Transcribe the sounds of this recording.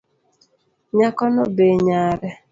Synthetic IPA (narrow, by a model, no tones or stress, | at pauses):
ɲakɔnobeɲaɾɛ